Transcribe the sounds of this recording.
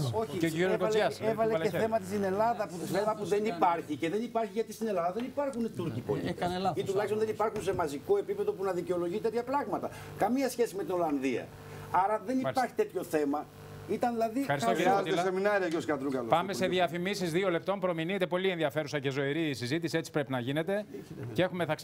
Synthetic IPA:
o̞çieociɾiokolɐsevɐleeθemɐt̪ist̪ine̞lɐðɐpuθemɐpuðenipɐɾçice̞ðe̞nipɐɾçiʝɐt̪ist̪ine̞lɐðɐðe̞nipɐɾxunt̪uɾcipo̞̰liit̪ulɐçistonðe̞nipɐɾxunse̞mɐzikoe̞pipe̞ðopunɐðiceo̞lo̞ʝit̪e̞t̪çɐpɾɐɣmɐt̪ɐ | kɐmiɐsçe̞sime̞t̪ino̞lɐnðiɐ̰ | ɐɾɐðe̞nipɐɾçi̥t̪e̞t̪ço̞θe̞mɐ | it̪ɐnðilɐðifɐɾist̪oeseminɐɾiɐceoskɐt̪ɾuɡɐlopɐme̞se̞ðjiɐfimisizðio̞le̞p̚t̪o̞mpɾo̞minit̪epo̞lienðiɐfe̞ɾusɐcezo̞iɾisizit̪̬isie̞t͡si̥pɾe̞pinɐʝinet̪e̞ | cee̞xumeθɐks

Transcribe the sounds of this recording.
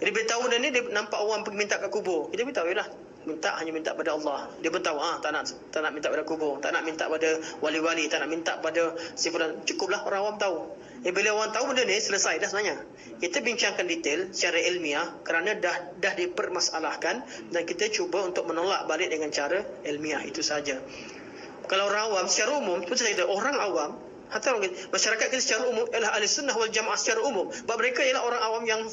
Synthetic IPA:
adibilət̪aundənidiənampaʔowampəɡimint̪aʔkaʔkubʊrkit̪əbit̪aujlah | mint̪a̰ʔhaɲamint̪aʔk̚əpadəɑlːɑhdiəbərt̪auaht̪aʔnaʔ | t̪aʔnaʔmint̪aʔpadəkubʊrt̪aʔnaʔmint̪a̰ʔpadəwaliwalit̪aʔnaʔmint̪aʔpadəsifuɾant͡ʃukʊp̚lahoɾaŋawamt̪au | jabiləawaŋt̪auəndənisələsajdasənaɲa | kit̪əbiɲt͡ʃaŋkandit̪ɪlsə̥t͡ʃaɾaʔilmiahkəɾanadahdahdipərmasalahkan | dankit̪at͡ʃubaunt̪ʊk̚mənola̰ʔ̚balɪʔ̚dəŋant͡ʃaɾaɛlmiahḭt̪usəɦad͡ʒa | kalawoɾaŋawamsə̥t͡ʃaɾaumʊmspt̪isakit̪aʔoɾaŋawam | hat̪aaŋkit̪maʃaɾakat̪̚kit̪asə̥t͡ʃaɾaumʊmjalaɦalisʊnːaɦwald͡ʒamaʔasə̥t͡ʃaɾaumʊmbaʔ̚məɾekajəlaɦoɾaŋawamjaŋ

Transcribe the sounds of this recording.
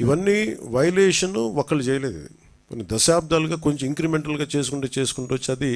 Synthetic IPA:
iʋɐnːiːʋɐjɐleːʂɐnuɔkːɐɭit͡ʃɛːjɐleːd̪ṵd̪i | konid̪ɐʃaːb̚d̪aːluɡaːkoɲt͡ʃemiŋkɾimeɳʈɐlɡaːt͡ʃe̞ːs̬ukuɳʈuːt͡ʃe̞ːsu̥kuɳʈuʋɐt͡ʃːiɐd̪i

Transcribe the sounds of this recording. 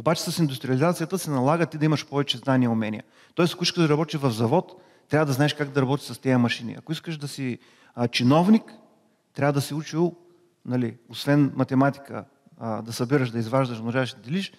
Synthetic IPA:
obat͡ʃɛ̥sɐsind̪ust̪ɾiɐlizat̪sijət̪əsɛnɐlˠaɡət̪id̪ɐimɐʃpɔvɛt͡ʃɛzd̪aniəʊmɛnʲḭjə̰ | t̪ɔɛsɐkʊiskəʒd̪ɐɾɐbɔt̪ivɐvzɐvɔt̪ː | ɾʲavəd̪ɐznaɛʃkaɡd̪ɐɾɐbɔt̪ʲi̥səst̪ɛəmɐʃinḭɐ̰kʊiskəʃd̪ɐsi | t͡ʃinɔvnik | t̪ɾavəd̪ɐsiut͡ʃilˠ | nɐliosvɛnmɐt̪ɛmat̪i̥kə̰ | d̪ɐsɐbiɾəʃd̪ɐizvaʒd̪əʃmnɐʒaʃd̪d̪ɛliʃ

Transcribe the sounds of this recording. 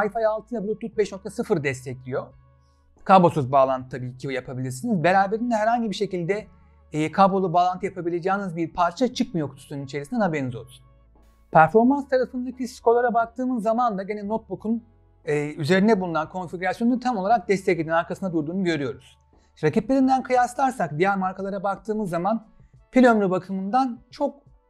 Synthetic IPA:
ajfajalˠt̪ʰɯnabulʲut̪ʰːut̪̚bɛʃnok̚t̪ʰasɯfɯɾd̪ɛst̪ʰɛclʲijo̞ | kʰabosøzbaːlˠant̪ɯt̪ʰabiːcʰijapʰabilʲiɾsinizbe̞ɾaːbe̞ɾind̪ɛɦæɾhaɲɟibiɾʃe̞cilʲd̪ɛ | kʰabolˠubaːlˠant̪ʰɯjapʰabilʲed͡ʒaːnɯzbiɾpʰaɾt͡ʃʰat͡ʃʰɯkmɯjokt̪ʰy̥st̪ʰynynit͡ʃʰe̞ɾisind̪ɛnhabe̞ɾinizo̞lˠu | pʰæɾfo̞ɾmanst̪ʰaɾafɯnd̪acʰiskʰo̞lˠaɾabak̚t̪ʰɯːmɯzːamand̪aɟenɛnot̪̚bukʰun | yze̞ɾind̪ɛbulˠunankʰo̞nfiɟʲyɾasjonunt̪ʰamo̞lˠaɾak̚d̪ɛst̪ʰɛclʲed̪inaɾkʰasɯnad̪uɾd̪uːnuɟø̞ɾyjo̞ɾuz̥ | ɾacipleɾind̪ænkʰɯjaslˠaɾsak̚d̪ijæɾmaɾkʰalˠaɾabakt̪ʰɯːmɯzːaman | pilʲømɾybakʰɯmɯnd̪ant͡ʃʰok̚

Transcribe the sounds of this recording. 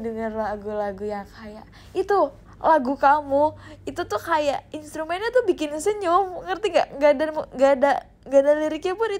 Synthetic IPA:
dəŋərlaɡulaɡujaŋkʰajaʔ | it̪u | laɡukamuit̪ut̪ʊkajaʔinst̪ɾumɛnɲat̪ʊbikɪnsəɲʊmŋərt̪iŋɡa̰ʔŋɡadamuŋɡada | ŋɡadaliɾikapʊni

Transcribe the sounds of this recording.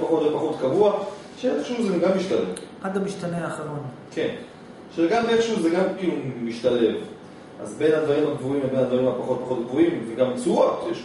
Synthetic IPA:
paχo̞t̪vepaχo̞t̪kavua | ʃeeχʃuzeɡamːiʃtale̞vʔadamiʃt̪aneaːχalon | kʰe̞n | ʃeɡamefʃuzeɡamkiːlumiʃtale̞v | ʔa̰zbe̞jnhad̪vaʁimhaɡvuimvebe̞nhad̪vaʁimhapaχo̞t̚paχo̞t̪̚ɡvuimzeɡamt͡suatjeʃ

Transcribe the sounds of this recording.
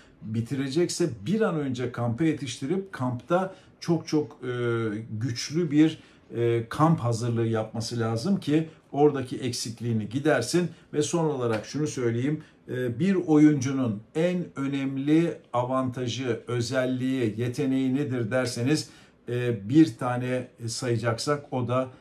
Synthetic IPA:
bit̪ʰiɾe̞d͡ʒɛcsɛbiɾanø̞nd͡ʒɛkʰampɯje̞t̪ʰiʃt̪ʰiɾip̚kʰampt̪ʰa | t͡ʃʰo̞k̚t͡ʃʰokː | ɟyt͡ʃlʲybiɾː | kʰamphazɯɾlˠɯɯjap̚masɯlʲaːzɯmcʰio̞ɾd̪acʰiʔɛcsiclʲiːniɟid̪æɾsinvɛso̞nolˠaɾakʃunusø̞jlʲe̞jimː | biɾo̞jund͡ʒununænø̞nɛmlʲiavant̪ʰaʒɯø̞zælʲːijije̞t̪ʰe̞ne̞jined̪iɾd̪æɾse̞nizː | biɾt̪ʰaːnɛsajɯd͡ʒaksako̞d̪a

